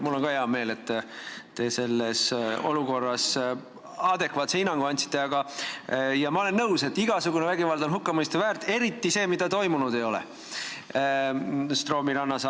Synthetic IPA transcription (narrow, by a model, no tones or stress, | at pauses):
mulːo̞nkɑeɑme̞ːle̞t̪ːˑt̪e̞se̞lːeso̞̰luko̞rːɑs | ɑd̪̥e̞kvɑːt̪seinːɑŋɡ̥oɑnʲt̪si̥t̪ˑːe̞ɑɡɑ | jɑmɑo̞le̞nːɤwse̞t̪ːiɡ̥ɑsuɡunevæɡivɑld̪̥o̞nɦukːɑmɤjst̪uvæːɾt̪ˑe̞ɾit̪ːise̞ːmid̪̥ɑt̪o̞jmunud̪̥e̞jo̞lɛ̰ | st̪ro̞ːmiɾɑnːɑsɑ